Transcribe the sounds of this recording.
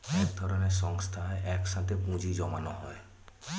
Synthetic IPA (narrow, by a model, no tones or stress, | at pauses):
ɛk̚d̪ʱɔɾɔnesɔŋst̪ʰaeʔɛksãt̪ʰepũd͡ʒid͡ʒɔmanɔɦɔe